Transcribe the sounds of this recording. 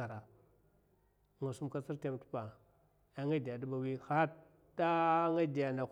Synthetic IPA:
a˨ɾa˨ | ŋa˨su˦mka˦t͡si˦ɾte˦mtu̥˦pa˨ | ja˨ŋa˦di˨ja˨du˦ba˨wi˦xa˦ | ta˦ŋa˦di˨a˨na˨

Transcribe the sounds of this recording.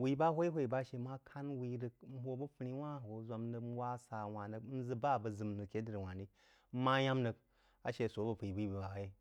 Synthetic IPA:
wi˦ba˦ɦʷo˦i˦ɦʷo˦i˨ba˦ʃe˧ma˦kʰa˦nwi˧ɾɨ˧k̚n̩˦ɦo˧bə˦pɨ˧ɾi˦wa˦˨ho˨za˧mnə˧n̩˦wa˦sa˨wa˨nə˨kn̩˦zɨ˦ba˦˨bə˨zɨ˨mnɨ˨kʲe˦dɨ˦ɾi˨wa˨ndi˦ | m̩˦ma˦ja˦mnə˧k | a̰˨˦ʃe˧˨so˨˦bə˨pi˨bi˦bi˨ba˨˦ji˦

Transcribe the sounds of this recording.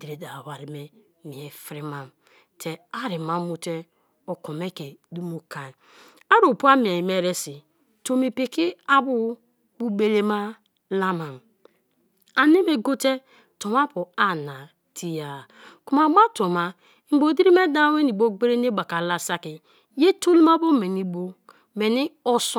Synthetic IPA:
di˨ɾe˨da˨wa˨ɾi˨me˨ | mi˨e˨fɾi˦ma˨m | tʰe˨a˦ɾi˨ma˨mu˨te˦ | o˨ko˨me˦ke˨du˦mu˦ka˨ | a˦ɾo˨pu˦a˦mi˨e˨me˦ɾe˦si˨ | to˨me˨pe˨ki˦a˦bu˦ | bu˦ɡ͡be˦le˦ma˦ | la˦ma˨m˨ | a˨ne˦me˨ɡo˦te˦ | to˨ma˦pu˨a˨na˨ | ti˦ja˨ | ku˨ma˨ɡ͡ba˦to˨ma˨˦ | ŋ͡m̩˨ɡ͡bo˨di˦ɾi˦me˦da˦we˦ni˨bo˦ɡ͡be˦ɾe˦ne˦ɡ͡ba˨ka˨la˦sa˦ki˨ | je˦to˦li˦ma˦bo˦me˨ni˨bo˦ | me˨ni˦o˦s

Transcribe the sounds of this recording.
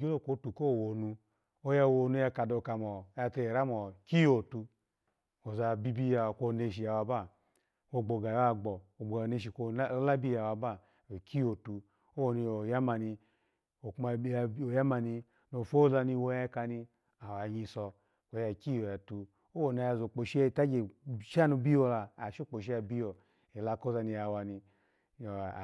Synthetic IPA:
ɡe˦lo˦˨ko˨˦tu˨ko˦˨wo˨nu˧ | o˦ja˧˨wo˧nu˧ja˧ka˨do˧ka˨mɔ˨ja˧te˧˨ɾa˦mɔ˨ki˦jo˨tu˧ | o˨za˧bi˧bi˧ja˧˨ko˧ne˧ʃi˨a˨wa˧ba˦˨ | wo˧˨ɡ͡bo˨ɡa˨ja˧ɡ͡bɔ˨o˨ɡ͡bo˨jne˧ʃi˨ko˧˦la˦bi˦ja˨wa˧ba˦˨ | o˨kʰi˦o˨tu˧ | o˦wo˨ni˧o˨ja˦ma˧ni˧ | o˨kma˧˨˦o˨ja˦ma˧ni˧ | no˨fo˦za˧ni˧wo˧ja˧˦ka˧ni˧ | a˨wa˨ɲi˧sɔ˧ | kʷo˨˧ja˨ki˦jo˨ja˨tu˧ | o˦wo˨na˧ja˧˨zo˨k͡po˨ʃi˦˨ta˦d͡ʒe˨ʃa˦no˧bi˦jo˧laː˧˨ʃo˦k͡po˨ʃ̬i˦a˧bi˦jo˨ | e˨la˧ko˦za˧ni˧ja˨wa˧ni˧˨

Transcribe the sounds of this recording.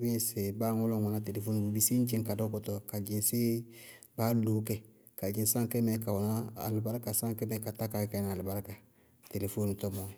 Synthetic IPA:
bĩ˦se˨baː˦ŋɔ˦lɔ̃˨wa˨na˨˦te˨le˨fo˦nu˨bi˦si˦n˦d͡ʒĩ˦ŋka˨dɔ˦kɔ˨tɔ˨ka˨d͡ʒĩ˨se˦ | baː˦lu˨˦kɛ˦ | ka˨d͡ʒĩ˨˦sã˦ŋkɛ˦mɛ˨ka˨wɔ˨na˦a̰˨lu˨ba˦ɾa˦ka˨sã˦ŋkɛ˦mɛ˨˦ka˨ta˦ka˨˦ka˨na˨a˨lu˨ba˦ɾka˨ | te˨le˨fo˦nu˨tɔ˦mɔ˨

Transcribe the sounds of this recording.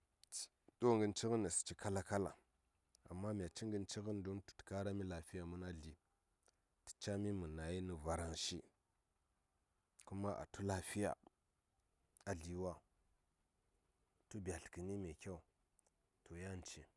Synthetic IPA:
ɗo˦ŋɡə˦nt͡ʃi˦ɣi˦nːa˨si̥˨t͡ʃi˦ka˦la˦ka˦la̰˨ | a̰˨mːa˦m˨a˨t͡ʃi˦ŋɡə˦nt͡ʃi˦ɣi˦ndo˦ntu̥˨tka˦ɾa˦mi˦la˨fi˦ja˨mu˦na˦ɮi˨ | ti̥˨t͡ʃa˦mi˦mu˨na˨ji˦ni˨va˨ɾa˨ŋʃi˦ | ku˦ma˦ʔa̰˨tu˦la˨fi˦ja̰˨ | a˨ɮi˨wa˦ | tu˦ba˨ɬki˨ni˦me˨kʲa˦u˨ | to˨ja˦˨n˨t͡ʃi˨

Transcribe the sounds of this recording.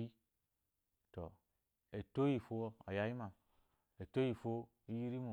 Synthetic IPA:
i˦ | tɔ˨ | e˨to˦ji˨fo˦a̰˨ja˦ji˦ma˨ | e˨to˦ji˦˨fo˦ | i˦ji˦ɾi˦mo˨

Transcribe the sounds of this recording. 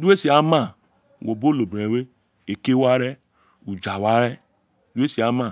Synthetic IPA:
du˦e˦si˨a˨˦mã˦˨ | wo˨bo˦lo˨bɾe˨we˦ | e˨ke˦wa˦ɾɛ˦ | u˨d͡ʒa˨wa˦ɾɛ˦ | du˦e˦si˨a˨˦mã˦˨

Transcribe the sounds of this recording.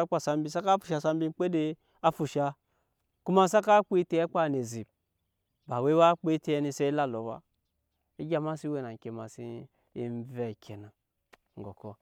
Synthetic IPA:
k͡pʷa˨sa˦m˦bi˦sa˦ka˦fu̥˨ʃa˧˦sa˦m˦bi˦k͡pe˦de˦ | a˦fu˨ʃa˧ | ku˦ma˦sa˦ka˦k͡pi˦te˦e˦k͡pa˦˨ne˨zi˨b̚ | ba˨we˦wa˦k͡pe˦te˦ni˧se˦i˦la˦lo˨wa̰˦ | i˦ɡʲa˦ma˦si˦we˨na˨kʲe˨ma˨si˦ | i˦n˦ve˦˨kʰʲe˨na˨ | ŋ̩˨ɡo˨ko˦

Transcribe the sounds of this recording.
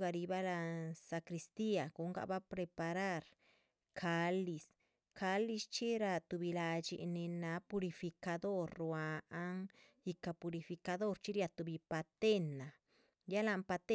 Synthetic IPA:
ɡa˧ɾi˧ba˦la˧sa˧kɾi˧st̪i˦a˨ɡ̥u˧ŋɡa̰˧ba˦pɾe˧pa˧ɾa˦ɾ | kʰa˧li˨s | ka˧li˧st͡ʃi˦ɾa˧t̪u˧bi˧la˧d͡ʒḭ˧ne˧na˧pu˧ɾi˧fi˧ka˧d̪o˦ɾːwaː˧˦ŋ | ji˧ka˧pu˧ɾi˧fi˧ka˧d̪o˦ɾt͡ʃi˦ɾja˧t̪u˧bi˧pa˧t̪e˦na˨ | ja˦la˧mpa˧t̪e˦

